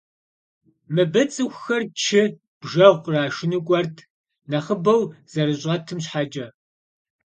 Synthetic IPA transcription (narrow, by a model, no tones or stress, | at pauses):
mɨbɐt͡sʼɨxʷxɐrt͡ʃʰɪ | b̥ʒɐʁʷqəraːʃɪnɨkʷʼɔrtʰ | nɐχəbɐwz̥ɐɾɨɕʼɐtʰɨmɕħad͡ʒʼɐ